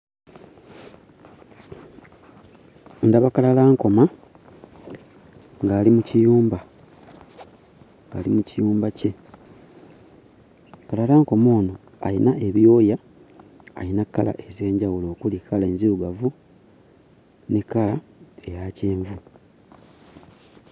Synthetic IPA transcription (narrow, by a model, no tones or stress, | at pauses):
ndaβakalalaːŋko̞ma | ŋɡaːlimucijuːmba | ŋɡa̰limucijuːmbace̞ | kalalaːŋko̞mo̞ːno̞ | a̰jinaʔe̞βjo̞ːja̰ː | jinakːala̰ʔe̞ze̞ːɲɟawulo̞ːkulikʰalaeːnziɾuɡavu | nikalae̞jaceːɱvu